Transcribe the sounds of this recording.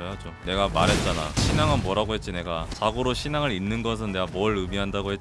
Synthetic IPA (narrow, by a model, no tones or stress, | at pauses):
oɦad͡ʑone̞ɡamaɾɦe̞t̚t͡ɕ͈ana̰ɕʰinaŋɯnmwʌɾaɡoɦe̞t̚t͡ɕ͈ine̞ɡat͡ɕaɡoɾoɕʰinaŋɯɾinːɯnɡʌs̬ʰɯnne̞ɡamʌɭɯmiɦandaɡoɦe̞t͡ɕ